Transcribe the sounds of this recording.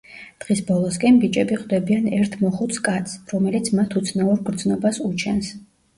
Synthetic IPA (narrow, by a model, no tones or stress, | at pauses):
d̪̥ʁisbɔlˠɔskʼɛnbit͡ʃʼɛbiχʼd̪ɛbianɛɾt̪ʰmɔχut̪skʼat̪sɾɔmɛlit̪sʰmat̪ʰut̪sʰnauɾɡɾd̪znɔbasut͡ʃʰɛns